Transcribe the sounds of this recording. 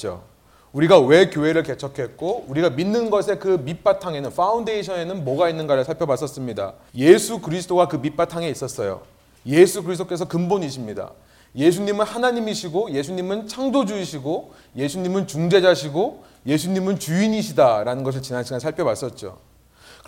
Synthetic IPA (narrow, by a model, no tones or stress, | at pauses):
t͡ɕo̰ | uɾiɡawe̞kjoɦe̞ɾɯɭke̞t͡ɕʰʌkʰe̞t̚k͈ouɾiɡaminːɯnɡʌsʰe̞kɯmip͈atʰaŋe̞nɯnfʰaunde̞iɕʰʌne̞nɯnmoɡainːɯnɡaɾɯɭsʰaɭpʰjʌbas͈ʌs͈ɯmɲida̰ | je̞sʰukɯɾisʰɯ̥t͈ʰoɡakɯmip͈atʰaŋe̞is͈ʌs͈ʌjo̰ | je̞sʰukɯɾis̬ʰt͈okesʰʌkɯmbonɲiɕʰimɲida̰ | je̞s̬ʰuɲimɯnhanaɲimiɕʰiɡoje̞sʰuɲimɯnt͡ɕʰaŋdod͡ʑuiɕʰiɡo | je̞sʰuɲimɯnt͡ɕuŋd͡ʑe̞d͡ʑaɕʰiɡo | je̞sʰuɲimɯnt͡ɕuiɲiɕʰidaɾanɯnɡʌs̬ɯɭt͡ɕinanɕʰiɡansʰaɭpʰjʌbas͈ʌt̚t͡ɕ͈o̰ | k